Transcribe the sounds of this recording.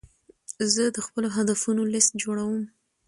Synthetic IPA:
zəd̪əxpəloɦad̪afunolɪst̪̚d͡ʒoɽawəm

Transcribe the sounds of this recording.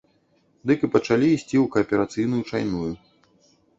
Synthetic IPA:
d̪ɨkɨpɐt͡ʂalʲiːsʲt͡sʲiwkɐːpʲɛɾat̪sɨjnujut͡ʂajnuju

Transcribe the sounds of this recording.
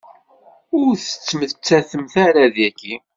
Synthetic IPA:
ʊɾθə̥t͡sːməθt͡sːæθəmθaɾæðjækːi

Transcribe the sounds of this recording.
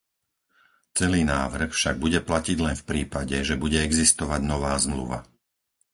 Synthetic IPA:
t͡sɛliːnaːʋr̩xfʃaɡ̚buɟɛplaciɟlɛnfpɾiːpaɟɛʒɛbuɟɛɛɡzist̪ɔʋaɟnɔʋaːzmlṵʋa̰

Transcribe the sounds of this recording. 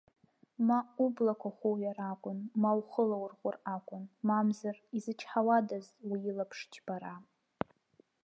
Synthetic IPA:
maublakʷʰaχʷoɥaɾakʷʼʊnmawχəlawrχʷʊrakʷʼʊnmamzarizɨt͡ʃʰħawadaztʼwiilapʰʂt͡ʃʰb̥aɾa

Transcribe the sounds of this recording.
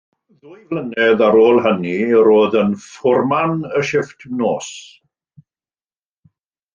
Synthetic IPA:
ðʊːjvlənɛðaɾoːlˠɦəniɾoːðənfʊrmanəʃɪftʰnoːs

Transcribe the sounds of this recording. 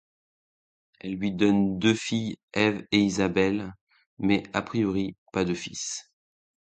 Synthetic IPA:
ɛlːɥid̪ɔnd̪øfijɛveizabɛl | mɛapχijɔʁipad̪əfis

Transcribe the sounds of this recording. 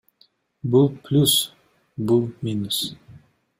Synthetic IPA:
bulˠplʲus | bulˠmʲinus

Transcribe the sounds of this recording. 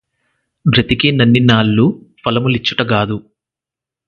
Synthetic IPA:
bʱɾɐt̪ikinɐnːinaːlːupɐlɐmulit͡ʃːuʈɐɡaːd̪u

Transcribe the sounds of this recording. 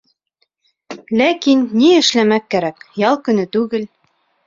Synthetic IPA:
lækinːiɘ̆ʃlæmækːæɾækjɑlˠkɵ̆nɘt̪ʉɡɘl

